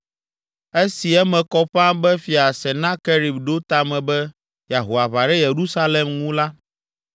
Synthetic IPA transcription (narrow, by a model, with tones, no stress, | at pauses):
e˦si˨ɛ˦mɛ̃˨kɔ˦ɸã˦bɛ˦fi˨a˨sɛ˨nã˦kɛ˦ɾi˨bɖo˦t̪a˦mɛ̃˨bɛ˦ | ja˨ɦo˨a˨βa˨ɖɛ˦je˨ɾu˦sa˦lɛ˨mŋũ˦la˦